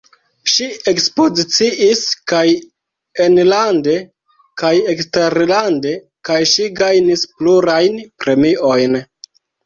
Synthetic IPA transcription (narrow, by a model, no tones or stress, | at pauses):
ʃie̞kspo̞zit͡siʔiskaj | enlande̞ | kajeksteɾlande̞ | kajʃiɡajnispluɾajnpɾe̞miʔo̞jn